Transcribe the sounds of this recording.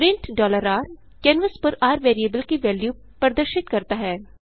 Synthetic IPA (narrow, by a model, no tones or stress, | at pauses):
ɾɪ̃ɳʈɖɔːləɾaːɾ | kɛ̃ːnʋəspɐɾaːɾʋeːɾiebəlkiʋɛːljuː | pɐɾd̪əɾʃɪt̪kɐɾt̪aɦɛː